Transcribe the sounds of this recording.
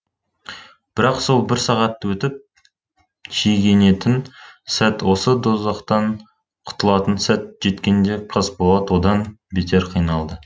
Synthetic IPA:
b̥ɪɾɑqso̞lˠbɪɾsɑʁɑt̪ːwɵt̪ɪp̚ | ʃʰejɡʲe̞ne̞t̪ɪnsæt̪wo̞səd̪o̞zɑqt̪ɑɴ | qʰʊ̥t̪əlˠɑt̪ənsæt̪̚ʒe̞t̪kʲe̞nd̪e̞qʰəzbolˠɑt̪wo̞d̪ɑnbet̪ʰe̞ɾqʰijnɑlˠd̪ə

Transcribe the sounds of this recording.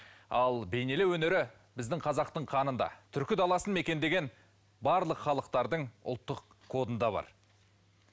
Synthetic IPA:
ɑlˠbe̞jne̞lewɵne̞ɾɪ | bɪzd̪ɪŋqʰɑzɑqt̪əɴqʰɑnənd̪ɑ̰t̪ʰʏɾkʲɪd̪ɑlˠɑsənme̞kʲe̞nd̪e̞ɡʲe̞n | bɑɾlˠəqχɑlˠəqt̪ɑɾd̪əɴʊ̰lˠt̪ːəq | kʰːo̞d̪ənd̪ɑβɑ̰ɾ

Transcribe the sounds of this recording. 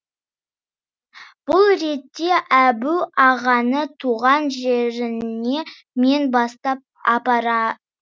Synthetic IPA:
b̥ʊlˠɾe̞t̪ːe̞ʔæbuɑʁɑnət̪ʰuʁɑnʒe̞ɾɪne̞ | me̞nbɑst̪ɑp̚ɑpɑɾɑ

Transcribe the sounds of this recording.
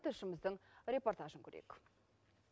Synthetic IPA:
t̪ʰəɾʃɪməzd̪əɴrʲe̞po̞rt̪aʒəŋkʰʲɵɾḛk

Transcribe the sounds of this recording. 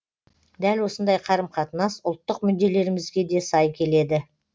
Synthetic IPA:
d̪ælwo̞sənd̪ɑjqʰɑɾəmqʰɑt̪ənɑsʊlˠt̪ːəqmʏd̪d̪ːe̞le̞ɾɪmɪzɡʲe̞d̪e̞sɑjkʲʰe̞le̞d̪ɪ

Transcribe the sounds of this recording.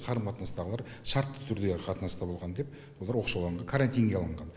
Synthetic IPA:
qʰɑɾəmqʰɑt̪ənɑst̪ɑʁəlˠɑɾʃɑɾt̪ːə̥t̪ʰʏɾd̪e̞qʰɑt̪ənɑst̪ɑbolˠʁɑnd̪e̞p | wo̞lˠɑɾwo̞qʃɑwlˠɑɴʁɑkʰaɾant̪ijnɡʲeɑlˠəɴʁɑn

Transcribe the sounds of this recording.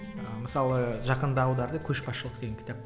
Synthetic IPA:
əməsɑlˠəʒɑqənd̪əɑːwd̪ɑɾd̪əkʲʰɵʃbɑsʃəlˠəqt̪ʰeɡʲeŋʲkʲʰɪ̥t̪ap̚

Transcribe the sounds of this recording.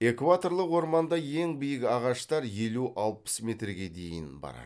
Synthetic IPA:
e̞kvat̪o̞ɾlˠəqwo̞ɾmɑnd̪ɑje̞ŋbijəkɑʁɑʃt̪ɑɾje̞luʔɑlˠpə̥sme̞t̪rɡʲe̞d̪e̞jɪnbɑ̰ɾɑ̰

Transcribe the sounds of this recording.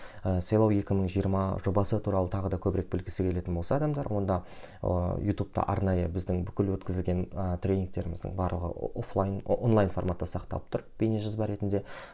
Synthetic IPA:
əsɑjlˠɑwe̞kʲɪməɴʒijəɾmɑʒo̞bɑsət̪ʰuɾɑlˠət̪ʰɑʁəd̪ɑkʲʰɵbɪɾek̚bɪlkʲɪ̥sɪkʲʰe̞le̞t̪ɪnbo̞lˠsɑːd̪ɑmd̪ɑɾwo̞nd̪ɑ̰ | jut̪up̚t̪ɑ̰ʔɑ̰ɾnɑjəbɪzd̪ɪŋbʏkʲɪlwɵt̪kʲɪzɪlɡʲe̞nət̪ʰrʲɾʲe̞nʲiŋk̚t̪e̞ɾɪmɪzd̪ə̰ɴbɑɾlˠəʁə̰oflˠjnonlˠajnfo̞rmat̪ːɑsɑqt̪ɑ̰lˠəp̚t̪ʰʊɾəpb̥eneʒɑzbɑɾe̞t̪ɪnd̪e̞

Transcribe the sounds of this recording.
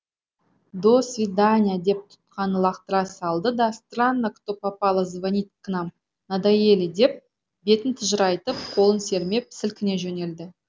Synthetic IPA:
d̪osvʲid̪anʲijad̪e̞p̚t̪ʰʊ̥t̪̚qʰɑnəlˠɑqt̪əɾɑsɑlˠd̪əd̪ɑst̪ranːakt̪opɑpɑlˠəzvanʲit̪kʰənɑm | nad̪aje̞lɪd̪e̞p̚ | be̞t̪ɪnt̪ʰʊʒəɾɑjt̪əp̚qʰo̞lˠənse̞ɾme̞pʰɪ̥sɪlkʲɪne̞ʒɵne̞ld̪ɪ

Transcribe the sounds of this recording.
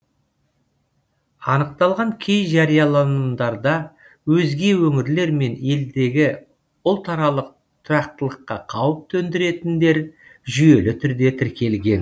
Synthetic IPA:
ɑnəq̚t̪ɑlˠʁɑŋkʲʰe̞jʒɑɾijɑlˠɑnd̪ɑɾd̪ɑ | wɵzɡʲe̞wɵŋɪɾle̞ɾme̞ne̞ld̪e̞ɡʲɪ | ʊlˠt̪ʰɑɾɑlˠəq̚ | t̪ʰʊɾɑq̚t̪əlˠəqːɑqʰɑwəp̚t̪ʰɵnd̪ɪɾe̞t̪ɪnd̪e̞ɾʒʏje̞lɪt̪ʰʏɾd̪e̞t̪ʰɪɾkʲe̞lɡʲe̞n

